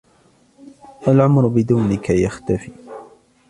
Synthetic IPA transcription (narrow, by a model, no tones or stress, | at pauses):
ʔalʕʊmɾʊbɪd̪uːnɪkʰajaxt̪afiː